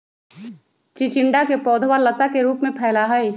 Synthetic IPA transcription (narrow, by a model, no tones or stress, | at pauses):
t͡ʃit͡ʃɪɳɖakepɔːd̪ʱwaɾlət̪akeɾuːpmẽpʰɛːlaɦəi